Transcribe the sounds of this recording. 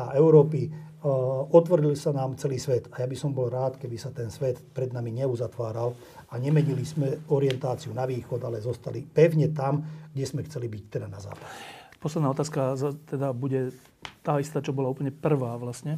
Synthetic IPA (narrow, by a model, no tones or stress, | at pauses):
aɛʊɾɔːpi | ɔt̪ʋɔɾilsanaːmt͡sɛliːsʋɛt̪ajabisɔmbɔlɾaːt̪kɛbisat̪ɛnsʋɛt̪pɾɛd̪namiɲɛuzat̪ʋaːɾal | aɲɛmɛɲilismɛɔɾiɪɛnt̪aːt͡siunaʋiːxɔd̪alɛzɔst̪alipɛʊɲɛt̪amɡɟɛzmɛxt͡sɛlibict̪ɛd̪anaza̰ːpḁɟɛpɔslɛd̪naɔt̪aːskazat̪ɛd̪abuɟɛ | t̪aːist̪aːt͡ʃɔbɔlaupəɲɛpr̩ʋaːʋlasɲɛ